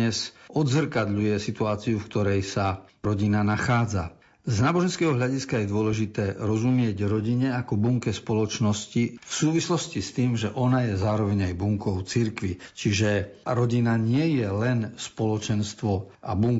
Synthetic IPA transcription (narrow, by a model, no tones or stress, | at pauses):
ɛzɔd̪zr̩kad̪ʎujɛsit̪uaːt͡siufkt̪ɔɾɛjsaɾɔɟinanaxaːd͡za̰ | znaːbɔʒɛnskɛːɦɔɦʎaɟiskajɛd̪ʊɔlɛʒit̪ɛːɾɔzumɪɛɟɾɔɟiɲɛakɔbuŋkɛspɔlɔt͡ʃnɔscifsuːʋislɔscist̪iːmʒɛʔɔnajɛzaːɾɔʋɛɲajbuŋkɔʊt͡siɾkʋit͡ʃiʒɛɾɔɟinaɲɪɛjɛlɛnspɔlɔt͡ʃɛnst̪ʋɔʔa̰buŋ